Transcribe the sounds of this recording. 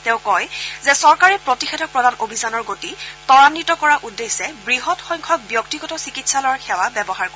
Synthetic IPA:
tɛ̃ʊkɔjzɛsɔɹkaɹɛpɹotixɛdʰʱɔk̚pɹɔdanʔobʱisanɔɹɡotitɔɹanːitɔkɔɹaʔudːesɛbɹiɦɔtxɔjŋkʰɔk̚bjɔktiɡɔtɔsikitsalɔwaɹxʰɛwabɛbɔɦaɹkɔɛ

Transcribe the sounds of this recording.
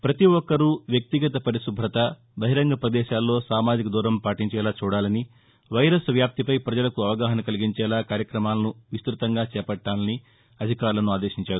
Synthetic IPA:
pɾɐt̪iɔkːɐɾuʋjɐk̚t̪iɡɐt̪ɐpɐɾisubʱɾɐt̪ɐ | bɐɦiɾɐŋɡɐpɾɐd̪ɛːʃaːlːo̞ːsaːmaːd͡ʒikɐd̪uːɾɐmpaːʈiɲt͡ʃɛːlaːt͡ʃuːɽaːlɐni | ʋɐjɾɐsʋjaːp̚t̪ipɐjpɾɐd͡ʒɐlɐkuɐʋɐɡaːɦɐnɐkɐliɡiɲt͡ʃɛːlaːkaːɾjɐkɾɐmaːlɐnuʋist̪ɾut̪ɐŋɡaːt͡ʃɛːpɐʈːaːlɐni | ɐd̪ʱikaːɾulɐnuaːd̪eːʃiɲt͡ʃaːɾu

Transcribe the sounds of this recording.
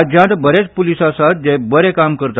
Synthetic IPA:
d͡ʑãt̪bəɾet͡spulisasat̪̚d͡ʑẽbəɾekamkəɾt̪

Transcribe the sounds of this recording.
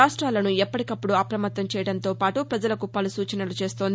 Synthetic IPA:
aːʂʈɾaːlɐnuɛpːɐʈikɐpːuɽuɐpɾɐmɐt̪ːɐmt͡ʃɛːjɐɽɐnt̪o̞ːpaːʈupɾɐd͡ʒɐlɐkupɐlusuːt͡ʃɐnɐlut͡ʃe̞ːst̪oːnd̪i

